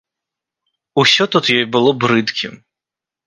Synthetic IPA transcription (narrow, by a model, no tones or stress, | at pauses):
usʲɔt̪ut̪jɔjbɨlˠɔbɾɨt̪kʲim